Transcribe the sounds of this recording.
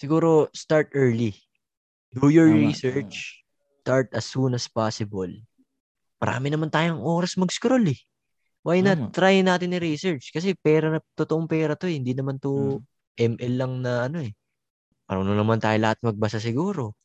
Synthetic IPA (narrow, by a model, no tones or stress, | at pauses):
sɪɡuːɾo̞st̪aɹt̪ʔɛɹli | t̪ujoɹɹisɛɹt͡ʃ | st̪aɹt̪ɐsːuːnɐspasɪbol | mɐɾʔa̰ːmɪnɐmant̪aːjoɐŋʔo̞ːɾɐsmɐɡskɾolɛ | wajnɐt̪ːɾajnaːt̪ɪnɪɾisɛɹt͡ʃkɐs̬ɛpɛːɾɐnɐt̪ot̪oʔoŋpɛːɾɐt̪o̞hɪnd̪inɐmant̪o | ʔɛmʔɛlːɐŋnɐʔɐno̞ʔɛ | pɐ̰ɾonoŋnɐmant̪aːjolɐhat̪̚mɐɡ̚bɐsas̬ɪɡuːɾo̞